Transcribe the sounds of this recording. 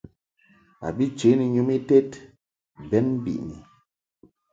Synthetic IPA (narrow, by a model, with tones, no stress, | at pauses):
a̰˨bi˦t͡ʃe˨˦ni˨ɲu˦mi˦te˦t | bɛ˨˦nm̩˦bḭ˨ʔni˨